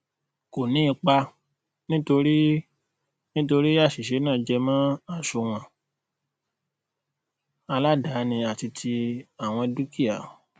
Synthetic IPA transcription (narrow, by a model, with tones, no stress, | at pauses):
ko˨nĩ˨˦i˧k͡pa˧ | nĩ˦to˧ɾi˦ | nĩ˦t̬o˧ɾi˦a˦˨ʃi˨ʃe˨˦nãː˦˨d͡ʒɛ˧mã˦a˦˨ʃo˨˧w̃ɔ̃˨ | a˧la˦da˨˦nĩ˧a˨ti˧tʰi˧a˦˨w̃ɔ̃˧du˦ki˦a˨